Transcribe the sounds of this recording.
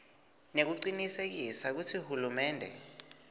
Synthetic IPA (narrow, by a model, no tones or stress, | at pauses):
nek̬uǀinisek̬isak̬utʰihulumɛːndʱɛ̰